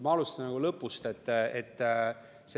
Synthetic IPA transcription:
mɑɑlust̪ɑnnɑɡ̥ulɤpːˑust̪e̞t̪ːet̪ː | se

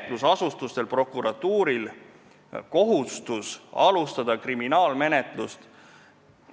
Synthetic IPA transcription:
t̪ˑlusɑsust̪ust̪e̞lpro̞kːˑuɾɑt̪ːˑuːɾil | ko̞ɦust̪usɑlust̪ɑd̪̥ɑkriminɑːlme̞ne̞t̪ˑlust̪

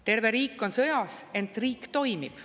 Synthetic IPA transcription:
t̪e̞rve̞ɾiːkːˑo̞nsɤjɑse̞nt̪riːkːt̪o̞jmib̥

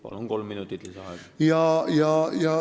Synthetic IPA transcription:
pɑ̰loŋkolmminut̪ːit̪lisæhɑˑikjɑjɑjɑ

